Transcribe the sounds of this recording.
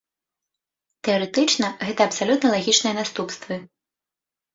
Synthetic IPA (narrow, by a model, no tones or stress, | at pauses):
t̪ɛɔɾɛt̪ɨt͡ʂnɐɣɛt̪ɐːpsalʲut̪nɐlˠaɣʲit͡ʂnɨjɐnast̪upst̪vɨ